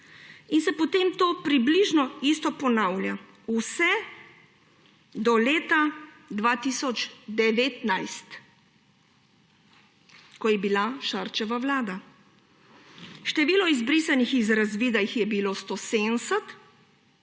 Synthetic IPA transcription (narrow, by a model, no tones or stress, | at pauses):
insɛpɔt̪emt̪oːpɾibliʒnɔist̪ɔpɔnawlja | usɛ | d̪ɔleːt̪a | d̪ʋat̪isɔd͡ʒd̪ɛʋeːt̪najst̪ | kɔjɛbilaʃaɾt͡ʃɛʋaʋlaːd̪a | ʃt̪ɛʋiːlɔizbɾiːsanixizɾazʋiːd̪ajixjɛbiloːst̪osensɛt̪